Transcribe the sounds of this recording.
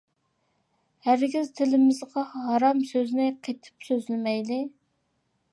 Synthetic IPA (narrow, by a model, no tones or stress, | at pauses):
hæɾɡʲizt̪ʰɪlɪmɪzʁɑɦɑɾɑmsøznɪqʰet̪ʰɪ̥psøzlɪmɛjlɪ